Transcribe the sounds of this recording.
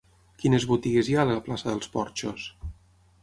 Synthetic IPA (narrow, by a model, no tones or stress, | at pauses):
kinezβut̪iɣezjaləplasəðəlˠspɔɾt͡ʃos